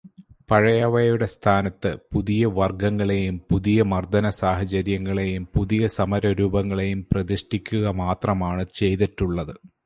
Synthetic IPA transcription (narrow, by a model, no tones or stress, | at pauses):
pɐɻɐjɐʋɐjjuɽe̞st̪ʰaːnɐt̪ːɨpuðijɐʋɐrɡɐŋːɐɭe̞jumpuðijɐmɐrd̪ɐnɐsaːɦɐd͡ʑɐɾjɐŋːɐɭe̞jumpuðijɐsɐmɐɾɐɾuːbɐŋːɐɭe̞jumprɐðiʂʈikʲːuɣɐmaːt̪rɐmaːɳɨt͡ɕe̞jðiʈːuɭːɐðɨ